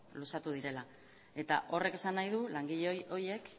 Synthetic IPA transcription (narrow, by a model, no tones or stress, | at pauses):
lusat̪uð̞iɾe̞la | e̞t̪a̰ʔo̞re̞ke̞sanːajðulaŋɡiʎeoje̞k